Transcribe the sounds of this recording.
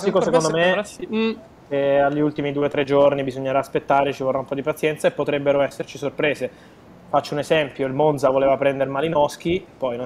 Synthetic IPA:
sikosekond̪ome | keaʎːiult̪imid̪uːet̪ɾed͡ʒornibizoɲːeɾaːspet̪ːaːɾet͡ʃivorːaumpɔd̪ipat̪sːjɛnt̪saepːot̪ɾɛbːeɾoɛsːert͡ʃisorpɾeːze | fat͡ʃːounezɛmpjoilmonzavoleːvapɾɛnd̪eɾmalinɔsk̟ipːɔjno

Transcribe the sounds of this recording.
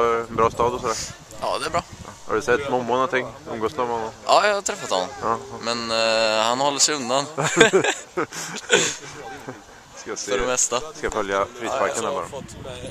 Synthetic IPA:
ɛnbɾɑːst̪ɑːd̪ɔsɔd̪æː | ʔɑ̰ːd̪ɛæbɾɑːhɑ̰ɖɵsɛt̪ːmɔmːʊnɔnt̪ʰɪŋːɵ̰mɡoːsnɔmhɔnːɔmʔɑːjɑhat̪ʰɾɛfːat̪hɔnːɔmɑːmɛnhanhɔlːəʂɛjɵnd̪an | skasœɖɛmɛst̪askafœljafɾiːspaɾkanabɑ̰ːɾa

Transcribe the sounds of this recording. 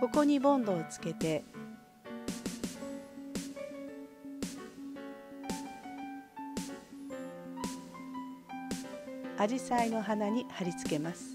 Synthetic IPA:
ko̞ko̞ɲ̟ibõ̞nd̪o̞ːt͡sɨ̥ke̞t̪e̞ | aʑisaino̞ɦanaɲ̟ihaɾʲit͡sɨ̥ke̞masɨ̥

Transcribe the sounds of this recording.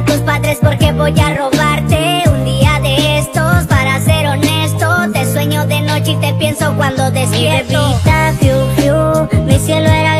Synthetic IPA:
t̪uspaðɾe̞spo̞ɾke̞βo̞ʝaro̞βaɾt̪eund̪iaðe̞est̪ospaɾase̞ɾo̞ne̞st̪ot̪eswe̞ɲo̞ðe̞no̞t͡ʃeit̪e̞pje̞nso̞kwand̪o̞ðeseβit̪afjuβjumisje̞loe̞ɾa

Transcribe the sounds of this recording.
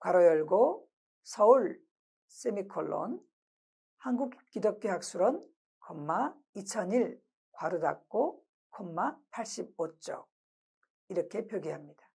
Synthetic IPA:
kwaɾʌjʌɭɡo | sʰʌuɭ | s͈emikʰoɭːo̰n | hanɡukk͈idʌk̚k͈eɦak̚s͈uɾʌn | kʌmːa | it͡ɕʰʌɲiɭ | kwaɾɯda̰k̚k͈o | kʌmːapʰaɭɕ͈ib̚ot͡ɕ͈ʌ̰ | iɾʌkʰe̞pjʌɡiɦamɲid̥a

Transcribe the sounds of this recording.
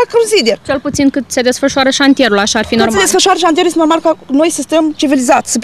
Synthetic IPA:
kaunzid̪ert͡ʃe̞lput̪sinkɨt̪se̞d̪e̞sfəʃuaɾəʃant̪ije̞ɾulaʃaːrfinormd̪esffəʃuwaɾəʃanjeuljet̪enɾmalkano̞jsəst̪əmt͡ʃivilizat̪sʲsəp

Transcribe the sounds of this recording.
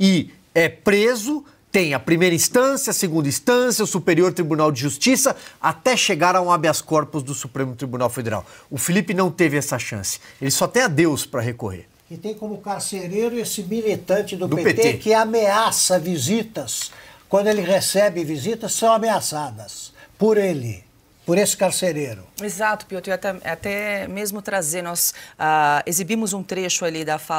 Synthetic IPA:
ɪ | ɛpɾezʊ | t̪ẽj̃ɐpɾimejɾɐĩst̪ɐ̃sjɐseɡũnd̪ɐĩst̪ɐ̃sjɐʊsupeɾioɾt̪ɾibunawd͡ʒɪʒust͡ʃisɐat̪ɛʃeɡaɾaw̃abɪaskɔɾpʊzd̪ʊsupɾẽmʊt̪ɾibunawfed̪eɾa̰wʊfilipɪnɐ̃w̃t̪evɪɛsɐʃɐ̰̃sɪ̥elɪsɔt̪ẽj̃ɐd̪ewspɾɐɦekoɦḛɾ | kɪt̪ẽj̃kõmʊkaɾseɾejɾʊesɪmilit̪ɐ̃nt͡ʃɪd̪ʊd̪ʊpepet̪ekɪameasɐvizit̪ɐskwɐ̃d̪ʊelɪʁesɛbɪvizit̪ɐsːɐ̃w̃ameasad̪ɐspʊɾelɪ̰ | pʊɾesɪ̥kaɾseɾeɾʊ̰ezat̪ʊ̥pijot̪ʊiat̪ɛat̪ɛmezmʊt̪ɾazenɔsaezibimʊzũt̪ɾeʃʊalid̪ɐfa

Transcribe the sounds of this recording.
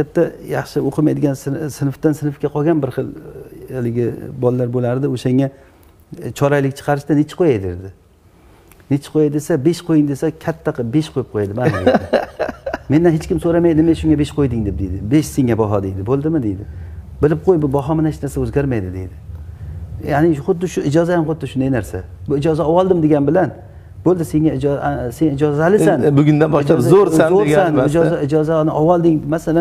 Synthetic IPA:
at̚t̪ːajɑχʃɪoqʰɨmajd̪ɪɡʲanssɪnɨft̪ansɪnɨfkʲaqʰɒɡʲanbɪɾχɨlˠalɪɡʲɪbɒlˠːaɾbolaɾd̪ɪoʃaŋa | t͡ʃʰɒɾajlɪkʲt͡ʃʰɨ̥qʰɑɾɪʃt̪anɪt͡ʃʰɪ̥qʰojajd̪eɾd̪ɪ | nɪt͡ʃʰɪ̥qʰojajd̪esabeʃqʰojɪŋd̪esakʲʰat̪ʰːaqʰɨbeʃqʰojɪp̚qʰojad̪ɪman | mend̪anɦet͡ʃkʲɪmsoɾamajd̪ɪnɪmaʃʊŋɡabeʃqʰojd̪ɪŋd̪ep̚d̪ejd̪ɪbeʃsiŋːabɒɦɒd̪ejd̪ɪbolˠd̪ɪmɪd̪ejd̪ɪ | bɪlɪp̚qʰojbʊbɒɦɒmanaʃnaɾsaɵzɡʲaɾmajd̪ɪd̪e̞̰jd̪ɪ | janɪχʊd̪ːɪʃʊɪd͡ʒɒzajamχʊd̪ːɪʃʊnd̪ajnaɾsa̰ | bʊɪd͡ʒɒzaɒwɒlˠd̪ɪmd̪e̞ɡʲanbɪlan | bolˠd̪ɪse̞ŋaɪd͡ʒsenɪd͡ʒɒzaalɪanbʊɡʲʊnd̪anbɒʃlazoɾazoɾɡʲsanɪd͡ʒɒaɪd͡ʒɒzanɪʔɒwɒlˠd̪ɪŋmasalan

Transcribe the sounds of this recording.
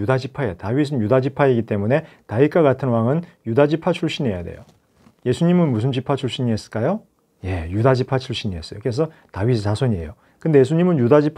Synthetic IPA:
udad͡ʑipʰaetawis̬ʰɯnjudad͡ʑipʰaiɡit͈e̞mune̞ | taik͈aɡatʰɯnwaŋɯnjudad͡ʑipʰat͡ɕʰuɭɕ͈iɲe̞ja̰dḛjo̰ | je̞sʰuɲimɯnmusʰɯnd͡ʑipʰat͡ɕʰuɭɕ͈iɲies͈ɯ̥ɭk͈ajo | je̞judad͡ʑipʰat͡ɕʰuɭɕ͈iɲies͈ʌjoke̞s̬ʰʌtaɥisʰisʰasʰwoɲie̞̰jo | kɯnde̞je̞sʰuɲimɯnjudad͡ʑipʰ

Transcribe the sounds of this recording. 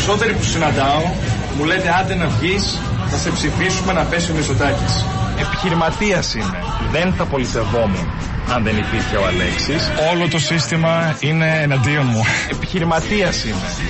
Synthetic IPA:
so̞t̪e̞ɾipusinɐnd̪ɐon | mule̞t̪eɐnd̪enɐvʝis | θɐse̞psifisume̞nɐpe̞siomisot̪ɐcis | e̞pi̥çiɾimɐt̪iɐsine̞ | ðe̞nθɐpo̞liθe̞vo̞mu | ɐnðe̞nipiɾçeo̞ɐle̞ksiso̞lo̞t̪o̞sist̪imɐine̞ːnɐnd̪ionmuepi̥çiɾimɐt̪iɐsine̞

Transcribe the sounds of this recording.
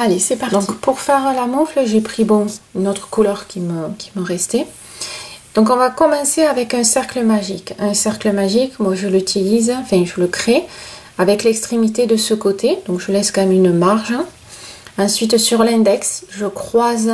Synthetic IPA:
alesepad̪ɔ̃kpuʁfɛʁlamufləʒepχibɔ̃ynɔt̪χə̥kulœʁkʲiməkʲi̥məʁɛst̪e | d̪̥ɔ̃kɔ̃vakɔmɑ̃seavɛkɛ̃sɛʁkləmaʒikɛ̃sɛʁkləmaʒikmwaʒəlyt̪ʰilizɑ̃fɛ̃ʒələkχe | avɛklɛkst̪χemit̪ed̪əsəkot̪ʰed̪ɔ̃ŋkʒəlɛskɑ̃mɛmynəmaʁʒə | ɑ̃sɥit̪syʁlɛ̃d̪ɛksʒəkχwaz

